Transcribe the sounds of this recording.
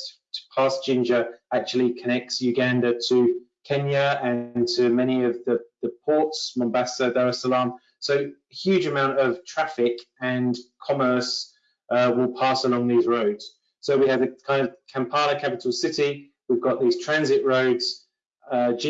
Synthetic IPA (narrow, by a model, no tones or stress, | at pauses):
pʰɑˑsd̥ʒ̥ɪ̃nd͡ʒəak̚t͡ʃuəlikʰənɛk̚tsjʉɡæ̃ndətʰəkʰɛ̃njəə̃ntʰəmɛñiəvðəðəpʰɔˑtsmɒ̃mbasədəɹɛsəlɑ̃ːm | səʊ | hjʉːd͡ʒəmãʊ̃ntəv̥tʰɹ̥afɪkə̃nkʰɒməˑs | ʔʌwɪlˠpʰɑˑsəlɒ̃ŋðiːzɹəʊdz̥ | səʊwiədəkʰãɪ̃ndəvkʰãmpʰɑːləkʰapɪtʰˡəl̩ˠsɪti | wivɡɒʔðiːz̥tʰɹ̥æ̃nzɪʔɹəʊdz̥ | ʌd͡ʒɪ̃